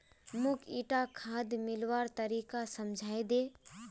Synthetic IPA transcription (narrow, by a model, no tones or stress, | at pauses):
mʊkʰiːʈakʰaːd̪ʱmɪlʋaːɾt̪ɐɾiːkasɐmd͡ʒʱaːed̪eː